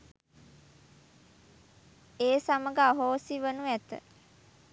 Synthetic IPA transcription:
eːsaməɡaaɦoːsiʋənuæt̪ə̰

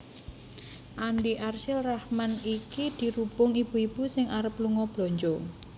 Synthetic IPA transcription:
ʔanɖiʔarʃɪlrahmanikid̪̥i̤ɾub̥ʊŋib̥ṳib̥usɪŋaɾəpluŋɔb̥loɲd͡ʒo

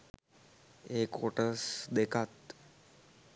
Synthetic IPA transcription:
ekoʈəsd̪ekʰat̪

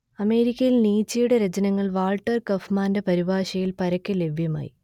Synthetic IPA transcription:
ɐme̞ːɾikʲːɐjilniːt͡ɕːɐjuɽeɾet͡ɕɐnɐŋːɐɭʋaːlʈːɐrkɐfmaːndepɐɾibaːɕɐjilpɐɾɐkʲːele̞ʋʱjɐma̰ːji

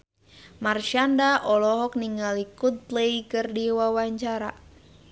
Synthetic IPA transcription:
marʃandaʔɔlɔɦɔk̚niŋɡalikud̪̚t̪leikɨrdiwawaɲt͡ʃaɾa̰

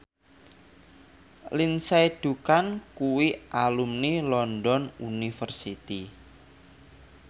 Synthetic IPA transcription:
linsajd̪̥ṳkankuwiʔalumnilɔndɔnunifərsit̪i

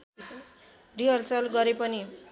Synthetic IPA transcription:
riɦʌlsʌlɡʌɾepʌni

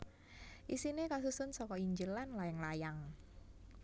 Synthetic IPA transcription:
ʔisinekas̬usʊnsɔkɔiɲd͡ʒəlanlaɪŋlajaŋ

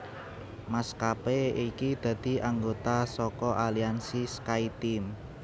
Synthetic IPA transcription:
maskapeikid̪̥ä̤d̪̥i̤ʔaŋɡot̪asɔkɔʔaliansiskait̪im

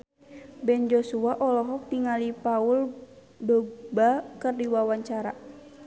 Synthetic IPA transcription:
bɛnd͡ʒosuaʔɔlɔɦɔk̚t̪iŋalipaul | dɔɡ̚bakɨrdiwawaɲt͡ʃaɾa

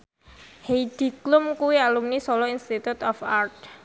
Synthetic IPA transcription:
heid̥i̤klʊmkuwialumnisɔlɔinst̪it̪ut̪ɔfart̪̚

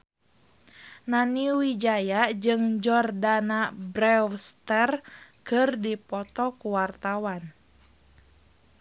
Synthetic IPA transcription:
naniwid͡ʒajad͡ʒɨŋd͡ʒɔrdanabɾɛfst̪ɛrkɨrdipɔt̪ɔkuwart̪awan

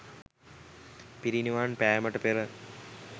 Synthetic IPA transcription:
piɾiniʋaːnpæːməʈəpeɾə

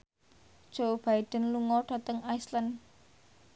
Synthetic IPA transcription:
d̥ʒ̥ob̥aiɖ̥ə̤nluŋɔɖ̥ä̤t̪əŋaislən

